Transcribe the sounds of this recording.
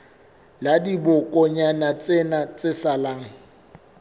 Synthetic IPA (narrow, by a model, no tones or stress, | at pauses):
ladibʊkʼɔɲanat͡sʼɪnat͡sʼɪsalaːŋ̩